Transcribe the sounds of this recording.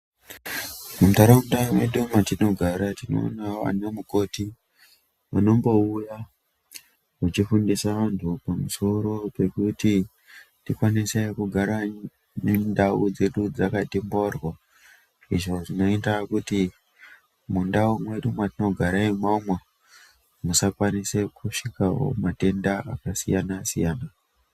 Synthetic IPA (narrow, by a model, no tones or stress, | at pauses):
mum̩taɾamundamweɗumatino̞ɡʱaɾatino̞̰naʋa̰n̤uemuko̞ti | ʋano̞mbo̞uja | ut͡ʃifundisaʋantʰupamuso̞ɾo̞pe̞kuti | tikwanise̞kuɡʱaɾa | nendaud͡ze̞ɗud͡zakatimbo̞rwo | ḭʐo̞ʐino̞itakuti | mundaumwe̞ɗumwatino̞ɡʱaɾaimamwa | musakwanise̞kuʂikao̰mate̞ndaʔa̰kasḭjanasḭjaːna